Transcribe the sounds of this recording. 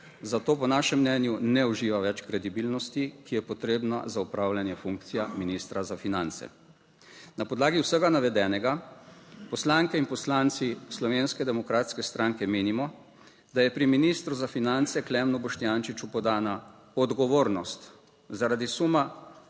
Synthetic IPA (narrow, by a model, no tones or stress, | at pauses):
zat̪oːpɔnaːʃɛmːnɛːnjunɛuʒiːʋaʋɛt͡ʃkɾɛd̪ibiːlnɔst̪ikijɛpɔt̪ɾeːbna̰zaupɾaːwlʲjanjɛfuŋkt̪sijaminist̪ɾazafinant̪sɛ̰ | napɔd̪laːɡiwsəɡanaʋɛd̪ɛːnɛɡa | pɔslaŋkɛinpɔslant̪sislɔʋeːnskɛd̪ɛmɔkɾaːt̪skɛst̪ɾaːŋkɛmeːnimɔ | d̪ajɛpɾiminist̪ɾuzafinant̪sɛklɛmnubɔʃt̪ijant͡ʃit͡ʃupɔd̪aːna | ɔd̪ɡɔʋoːɾnɔst̪ | zaɾad̪isuma